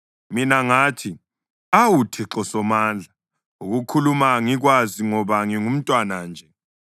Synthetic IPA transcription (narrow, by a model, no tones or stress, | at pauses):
minaŋaːtʰi | awutʰiǁɔsɔmaːnd͡ɮʱa | uɣukʰulumaŋiɣwaziŋɔβaŋiŋum̩tʼwanand͡ʒʱɛ